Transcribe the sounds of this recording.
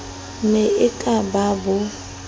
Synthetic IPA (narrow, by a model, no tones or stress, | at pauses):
mɪɪkʼababʊ